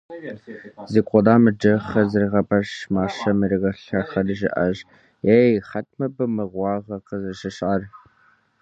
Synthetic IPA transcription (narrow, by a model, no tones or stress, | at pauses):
zɨkʷʼɔdaːmɨd͡ʒɐχɐzɨrʁɐbɐʂmaːʂɐmɨɾɨɣɐɬɐχɐrɨʒɨʔɐʒ | eːjχɐtʰmɐbɨmɨʁʷɑːʁɐqəzɨʃɨɕʔar